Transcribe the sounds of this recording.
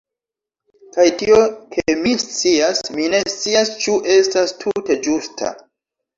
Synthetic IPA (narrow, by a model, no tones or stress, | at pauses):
kajtio̞kʰe̞mist͡siasmine̞st͡siast͡ʃuʔe̞stastʰute̞d͡ʒustʰa̰